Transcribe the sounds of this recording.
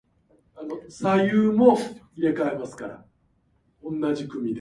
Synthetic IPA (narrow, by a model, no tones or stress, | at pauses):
ano̞sajɯːmo̞ijekaemasɨ̥kaɾa̰ | õ̞nːaʑikɯ̟mʲid̪